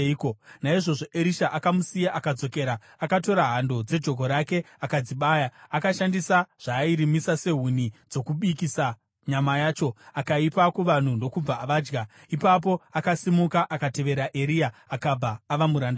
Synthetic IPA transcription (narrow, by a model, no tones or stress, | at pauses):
konaiʐo̞ʐo̞ʔeɾiʃaʔakamusijaʔakad͡zo̞ke̞ːɾa | akato̞ɾaɦando̞d͡ze̞d͡ʒo̞k̬o̞ɾake̞ | akad͡ziɓaːjaakaʃandisaʐ̥aːiɾimisase̞ɦun̤id͡zo̞kuɓikisa | ɲamajaːt͡ʃo̞akaipakuʋan̤undo̞kub͡vaːʋaːd͡ʒɡa | ipap̬o̞akasimukaʔakate̞ʋe̞ɾaʔe̞ɾijaakab͡vaːʋamuɾanda